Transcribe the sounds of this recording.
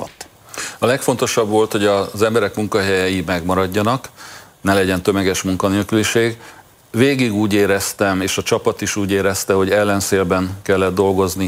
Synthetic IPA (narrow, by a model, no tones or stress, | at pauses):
t̪ː | ɒlɛkfo̞nt̪o̞ʃɒbʋo̞lt̪ho̞ɟɒzɛmbɛɾɛkmuŋkɒɦɛjɛjimɛɡmɒɾɒɟːɒnɒknɛlɛɟɛnt̪ømɛɡɛʃmuŋkɒneːlkyliʃeːɡ | veːɡiɡuːɟeːɾɛst̪ɛmeːʃɒt͡ʃɒpɒt̪iʃuːɟeːɾɛst̪ɛɦo̞ɟɛlːɛnseːlbɛŋkɛlːɛd̪d̪o̞lɡo̞zni